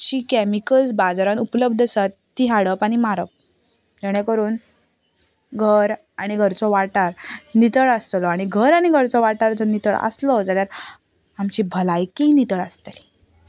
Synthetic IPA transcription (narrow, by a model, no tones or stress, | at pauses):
t͡ɕiːkæmikəld͡zbad͡zaɾanupləb̚d̪ʱəsat̪ːiːɦaɽəpaɽ̃imaɾəp̚ | d͡ʑeɽ̃ẽkəɾuːn | ɡʱəɾ | aɽ̃iɡʱəɾt͡sɔʋaʈaɾnit̪əɭəst̪lɔaɽ̃iɡʱəɾaɽ̃iɡʱəɾt͡sɔʋaʈaɾd͡zɔnit̪əɭə̰slɔd͡zaljaɾ | amt͡ɕibʱəlajkinit̪əɭəst̪li